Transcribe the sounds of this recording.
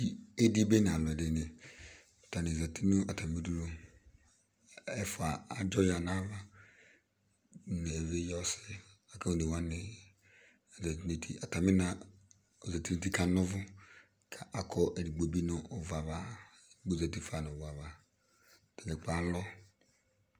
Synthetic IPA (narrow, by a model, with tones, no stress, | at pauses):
i˨e˦di˦be˦n˨a˨lɛ˨de˨ne˨ | ta˨ne˨zɛ˨tʰi˦nu˦a˨ta˨mi˦du˦ɾu˦ | ɛ˦fʊ˨a˨a˨d͡ʒɔ˦ja˨na˦va˦ | ne˨ve˦jɔ˦sɪ˦ | a˨ka˦o˨de˨wa˦nɪ˦ | a˨zɛ˨ti˦ne˨tʰi˨a˨ta˨mi˦na˨ | o˨zɛ˨ti˦nu˦ti˦ka˨nɔ˦vʊ˦ | kʰa˨ʔa˨kʰɔ˦ʔe˨ɾi˨ɡ͡bo˨bi˦nʊ˨o˨va˨va˨˦ | ɡ͡bo˨zɛ˨ti˦fa˨n˨va˨va˨ | ta˨le˨k͡pa˨˦lɔ˦